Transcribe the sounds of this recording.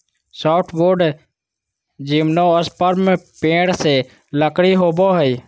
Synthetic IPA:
soːʈʰʋoːɖ | d͡ʒiːmnoːəspəɾmpẽːɽseː | ləkɽiːɦoːboːɦəiː

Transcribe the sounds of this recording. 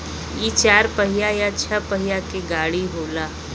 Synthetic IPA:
iːt͡ʃaːɾpəɦɪjajat͡ʃʰəpəɦɪjakeɡaːɽiɦoːlaː

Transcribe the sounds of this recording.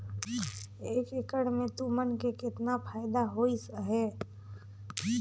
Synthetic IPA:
eːkekəɽmẽt̪umənkekɪt̪napʰaːɪd̪aɦoisɦɛː

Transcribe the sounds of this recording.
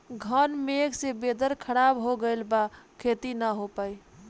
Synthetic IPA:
ɡʱənmeɡsebed̪əɾkʰəɾabɦoɡəjlbakʰet̪inəɦopəj

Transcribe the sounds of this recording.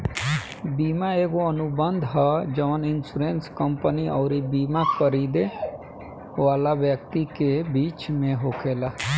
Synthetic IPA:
biːmaeːɡoənʊbənd̪ʱɦad͡ʒəʋənɪnsuːɾeːnskəmpəniɔːɾibiːmakəɾiːd̪e | ʋaːlaʋjək̚t̪ikebiːt͡ʃmẽɦoːkʰeːla

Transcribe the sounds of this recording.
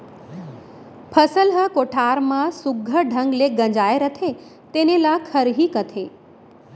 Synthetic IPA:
pʰəsəlɦəkoʈʰaːɾmãsʊɡʱəɖʱə̃ŋɡleɡə̃ɲd͡ʒaːeɾət̪ʰe | t̪enelakʰəɾɦiːkət̪ʰe

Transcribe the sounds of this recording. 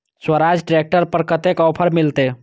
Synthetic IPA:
swəɾad͡ʒɖiɾek̚ʈəɾpəɾkət̪ekɔpʰəɾmilt̪e

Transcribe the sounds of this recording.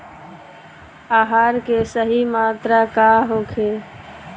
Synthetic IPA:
aːɦaːɾkesəɦimaːt̪ɾakaɦoːkʰe

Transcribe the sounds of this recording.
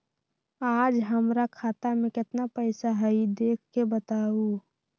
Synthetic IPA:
aːd͡ʒɦəmɾakʰaːt̪amẽkɪt̪napəɪsaɦəid̪eːkʰkebət̪aːu

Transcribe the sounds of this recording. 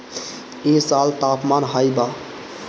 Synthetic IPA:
esalt̪apmanɦajba

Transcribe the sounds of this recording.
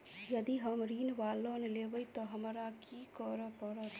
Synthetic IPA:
jəd̪iɦəmɾiːnʋalonelebəit̪ɔɦəmɾakikəɾəpəɾət̪ʰ

